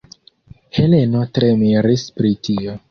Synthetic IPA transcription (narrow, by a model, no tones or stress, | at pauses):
he̞le̞no̞tɾemiɾispɾitio